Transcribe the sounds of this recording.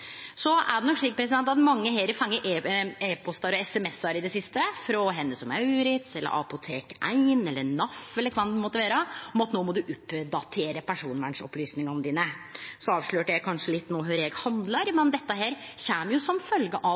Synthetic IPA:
sɔʔæ̰ɖɛnɔkʂɭiːkəpʰɾɛs̬ɪd̪ɛnt̪ɑt̪mɑŋːəheɾəfɑŋːəʔeːeːpʰɔst̪ɑɾɔɛsɛmɛsːɑɾɪd̪ɛsɪst̪əfɾɔɦɛnːəsɔmæʉːɾɪt̪sɛlːə̰ɾʔɑ̰pʊt̪ʰeːkæɪnɛlːənɑfɛlːəkʰʋɑnmɔt̪ːəʋæːɾəɔmɑt̪noːmɔd̪ʉʔʉpːd̪ɑt̪ʰeːɾəpʰæʂuːnʋæɳʂɔ̰plyːsnɪŋɔnd̪iːnəsɔɑːʋʂɭøːʈəækʰɑnʂəlɪt̪ːnoːɦøːɾɛːɡhɑnd̪ləɾmɛnd̪ɛt̪ːəɦæːɾ | çæːmjʊsɔmfœlɡəʔɑ

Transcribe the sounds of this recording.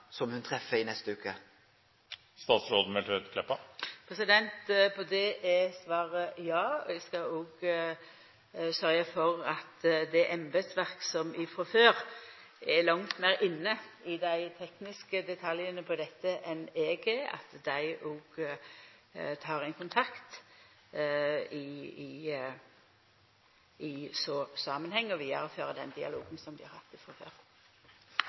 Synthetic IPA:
sɔmhʉnt̪ʰɾɛfːəɾɪnɛst̪əʉːkə | st̪ɑːt̪sɾoːd̪̩mɛløt̪kʰlɛpːəpʰɾɛsɪd̪ɛnt̪pʰɔd̪ɛʔɛsʋɑːɾəjɑːɔ̰ɛɡskɑɔːɡ | sœɾjəfɔʁɑt̪d̪ɛʔɛmbəd̪sʋæʁksɔmɪfɾɔføːɾ | ɛlɑŋt̪mæʁɪnːəɪd̪æɪt̪ʰɛknɪskəd̪ɛt̪ʰɑljənəpʰɔd̪ɛt̪ːəʔɛneːɡəɑ̰t̪d̪æɪʔɔːɡ̥ | t̪ʰɑːɾɪnkʊnt̪ʰɑkt̪ | ɪ | ɪsoːsɑːmənhɛŋːəɔʋiːɑɾɔføːɾəd̪ɛ̰nd̪ɪɑ̰loːɡənsɔmd̪ɪhɑɾhɑt̪ːɪfɾɔfø̰ːɾ

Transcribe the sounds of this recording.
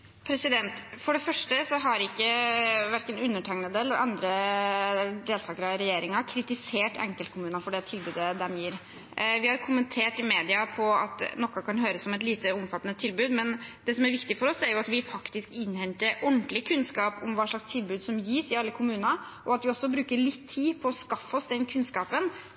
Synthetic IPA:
pʰɾɛsɪd̪ɛnt̪fɔɖɛfœʂʈəsɔɦɑɾɪkːəʋæɾkənʉnːəʈʰɑŋnəd̪əɛlːəɾɑ̰nd̪ɾə | d̪eːlt̪ʰɑːɡəɾɑɾɛjeːɾɪŋɑkʰɾɪt̪ɪseːʈɛ̰ŋkəlt̪kʰʊmʉːnɑfɔɖɛt̪ʰɪlbʉːd̪əd̪ɛmjiːɾ | ʋɪhɑɾkʰʊmənt̪ʰeːʈɪmeːd̪ɪɑpʰɔɑ̰t̪nɔkːɑkʰɑnɦøːɾəsɔmɛt̪liːt̪əʊmfɑt̪ənət̪ʰɪlbʉːd̪mɛnd̪̥ɛsɔmæɾʋɪkt̪ɪfɔɾɔsæɾjʊɑt̪ʋɪfɑkt̪ɪskɪnːhɛnt̪əɾɔnt̪lɪkʰʉnskɑːpʊmʋɑːʂɭɑkst̪ʰɪlbʉːd̪sɔmjiːsɪɑlːəkʰʊmʉːnɑ | ʔɔɑt̪ʋɪɔsːɔbɾʉːkəɭɪt̪ʰːiːpʰɔɔskɑfːɔsd̪ɛnkʰʉnskɑːpən

